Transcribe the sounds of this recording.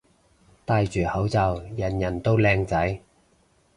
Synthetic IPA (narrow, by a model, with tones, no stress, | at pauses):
t̪aː˧jt͡ʃyː˨˩hɐ˨˥wt͡sɐ˧wjɐ˨˩njɐ˨˩nt̪o˥wlɛː˧ŋt͡sɐ˨˥j